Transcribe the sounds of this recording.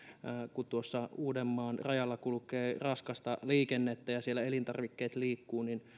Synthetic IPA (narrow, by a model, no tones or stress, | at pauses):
kut̪uosːɑuːdemːɑːnrɑjɑlːɑkulukeːrɑskɑst̪ɑliːkenːet̪ːæjɑsielːæelint̪ɑ̰rʋikːeːt̪liːkːuːnin